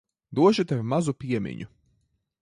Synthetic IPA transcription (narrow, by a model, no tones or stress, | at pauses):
d̪uɔʃut̪ɛvmazupʲiɛmʲḭɲu